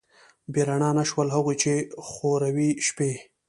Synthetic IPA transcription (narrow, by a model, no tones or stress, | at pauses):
beɾaɳɑnaʃwəlɦaɣut͡ʃexoɾawiʃpe